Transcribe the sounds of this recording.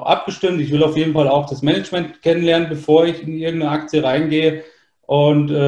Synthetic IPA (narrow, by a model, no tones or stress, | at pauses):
ʔa̰p̚ɡ̥əʃtɪmtɪçv̥ɪlaʊfjeːdn̩falaʊxd̥asmɛnɛt͡ʃmɛntkʰɛnənlɛɐnənbəfoːɐɪçɪnɪɐɡŋ̩tnəakt͡sjəʁaɪnɡeːə | ʔʊntɛ